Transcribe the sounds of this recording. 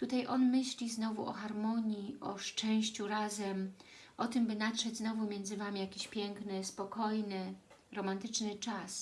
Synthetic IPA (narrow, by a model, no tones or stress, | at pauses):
t̪ut̪ajʔɔnmɘɕlʲiznɔvuʔɔ̰xaɾmɔɲiʔɔʂt͡ʂɛ̃w̃ɕt͡ɕuɾazɛm | ʔɔt̪ɘmbɘnatʂɛd͡ʑznɔvumʲjɛnzɘvamʲijakʲiɕpʲjɛŋknɘspɔkɔjnɘ | ɾɔmant̪ɘt͡ʂnɘt͡ʂas